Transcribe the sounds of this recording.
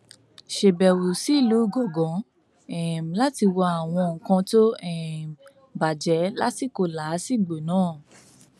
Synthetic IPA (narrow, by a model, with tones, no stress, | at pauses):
ʃe˨bɛ˨wu˨si˨˦˨lu˨˦˨ɡɔ˨ɡɔ̃˨˦ | ɛ˦˨m˨la˦ti˧wa˧a˨w̃ɔ̃˧ŋ̩˨kã˧to˦ɛ˦˨m˨ | ba˨d͡ʒɛ˨˦la˦ti˦˨ko˧la˨˦si˦˨ɡ͡bo˨nãː˦˨